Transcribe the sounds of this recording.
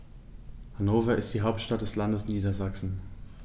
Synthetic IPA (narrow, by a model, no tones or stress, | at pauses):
hanoːvɐɪst̚d̥iːɦaʊp̚tʃtat̚d̥ɛslandəsniːdɐzaksn̩